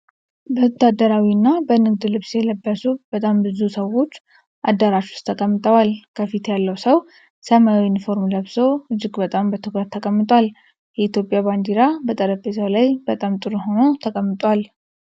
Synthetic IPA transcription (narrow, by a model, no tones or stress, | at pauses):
bəwɔt̪ʰːad̪ːəɾawiɨnːabənɨɡd̪ɨlɨβsjɛləbːəsub̥ət̪ʼambɨzusəwːo̞t͡ʃː | ʔad̪ːəɾaʃu̥st̪ʰəkʼəmːɨt̪ʼəwalkʰəfit̪jalːəwsəw | səmawɪnfo̞ɾmləβso̞ɨd͡ʒːɪɡbət̪ʼambət̪ʰɨɡəɾt̪ʰəkʼəmːɨt̪ʼwal | jɛit̪jopʼjaband̪iɾabət̪ʼəɾəfesəwlajbət̪ʼamt̪ʼɨɾuho̞not̪ʰəkʼəmːɨt̪ʼwal